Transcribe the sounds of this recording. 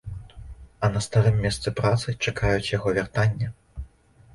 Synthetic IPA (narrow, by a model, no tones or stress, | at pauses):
ɐnɐst̪aɾɨmʲːɛst̪sɨpɾat̪sɨt͡ʂakajut͡sʲjaɣɔvʲart̪anʲːɐ